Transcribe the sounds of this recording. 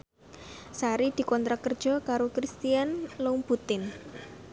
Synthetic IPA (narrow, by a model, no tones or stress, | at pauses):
saɾid̪̥i̤kɔnt̪ɾakərd̥ʒ̥ɔ̤kaɾokɾist̪ianlomput̪ɪn